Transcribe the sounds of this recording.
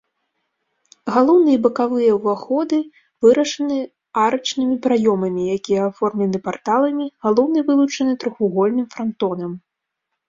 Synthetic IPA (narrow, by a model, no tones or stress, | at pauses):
ɣalˠɔwn̪ɨjɛbɐkavɨjɐwvaxɔd̪ɨ | vɨɾɐʂɐnɨ | aɾɐt͡ʂnɨmʲipɾajɔmɐmʲijakʲijɛafɔrmlʲɛnɨpart̪alˠɐmʲiɣalˠɔwnɨvɨlˠut͡ʂɐnɨt̪ɾɔxuɣɔlʲnɨmfɾant̪ɔnɐm